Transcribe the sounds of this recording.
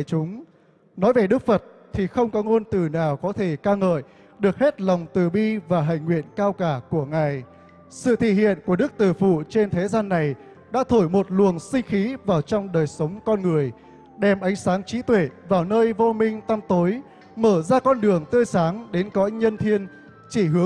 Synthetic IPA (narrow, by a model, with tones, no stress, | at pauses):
t͡ɕʊ˨˦ŋ͡m | nɔ˨˦jve˨˩ɗɨ˦˥k̚fə˨˩t̚ | t̪ʰi˨˩xə˧wŋ͡mkɔ˨˦ŋo˧nt̪ɨ˨˩naː˨˩wkɔ˨˦t̪ʰe˧˩kaː˧ŋə̰ː˧˨j | ɗɨ˨˩ək̚he˦˥t̚la˨˩wŋ͡mt̪ɨ˨˩ɓi˧vaː˨˩ɦa̰˧˨jŋ̟ŋwḭ˧˨ənkaː˧wkaː˧˩ku˧˩əŋaː˨˩j | sɨ̰˧˨t̪ʰḭ˧˨hḭ˧˨ənku˧˩əɗɨ˦˥k̚t̪ɨ˨˩fṵ˧˨t͡ɕe˧nt̪ʰe˨˦zaː˧nːa˨˩j | ɗa̰ː˧˥t̪ʰo˧˩jmo˨˩t̚lu˨˩əŋsï˧ŋ̟xi˨˦vaː˨˩wt͡ɕɔ˧wŋ͡mɗəː˨˩jsə˨˦wŋ͡mkɔ˧nŋɨ˨˩əj | ɗɛ˧˩mʔa˨˦jŋ̟saː˨˦ŋt͡ɕḭ˨˦t̪we˧˩vaː˨˩wnəː˧jvo˧mï˧ŋ̟t̪a˧mt̪o˨˦j | məː˧˩zaː˧kɔ˧nɗɨ˨˩əŋt̪əː˧jsaː˨˦ŋɗe˨˦nkɔ˨˧˥ɲə˧nt̪ʰi˧ən | t͡ɕi˧˩ɦɨ˨˦ə